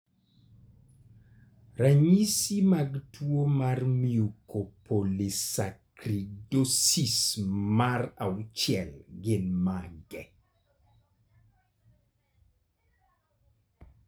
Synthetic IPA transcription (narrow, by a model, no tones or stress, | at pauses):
raɲisimaɡtʰwomarmiukʰopʰolisakɾidosismarawt͡ʃjɛlɡɪnmaɡɛ